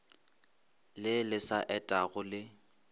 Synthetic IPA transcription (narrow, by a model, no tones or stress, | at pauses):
lɪlɪsaʔɛtʼaɣʊlɪ